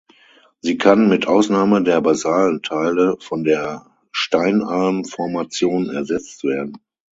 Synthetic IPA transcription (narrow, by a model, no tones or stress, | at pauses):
ziːkʰanmɪtʔaʊsnaːmədeːɐbazaːləntʰaɪləfɔndeːɐ | ʃtaɪnaɐmfɔɐmat͡sjoːnɛ̰ɐzɛt͡stv̥eːɐdn̩